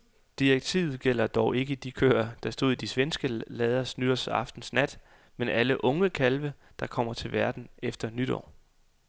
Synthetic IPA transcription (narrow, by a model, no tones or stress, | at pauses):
d̥ieɡ̥̚t͡sʰḭʊð̩ˠɡ̥el̰ɐd̥ɒʊe̝ɡ̥əd̥ikʰø̰ːɐd̥ɑ̈sd̥o̝ð̰ˠid̥isʋensɡ̥əlɛːð̞ˠɐsnyɾ̥ɐsɑ̈fd̥n̩snæd̥ | menæləʔɔ̽ŋəkʰælʋəd̥ɑ̈kʰɒ̽m̰ɐt͡sʰe̝lʋæɐd̥n̩efd̥ɐnyɾ̥ɒ̰ː